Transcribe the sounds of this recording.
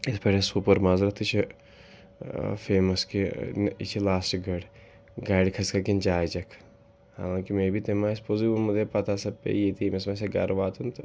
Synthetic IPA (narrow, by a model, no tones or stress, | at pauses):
ispɐʈesuːpɐɾmaːzɾɐt̪it͡ʃʰ | feːmɐskiḭt͡ʃʰilaːsʈɡɐɽ | ɡaːɖkʰɐskɐkind͡ʒaːjd͡ʒɐkʰ | ha̰ːlãːkimẽːbʱit̪emaːɪspoziunmɐd̪epɐt̪aːsɐb̚pḛjet̪ʰimesmaseɡa̰ːɾʋaːt̪ʰunt̪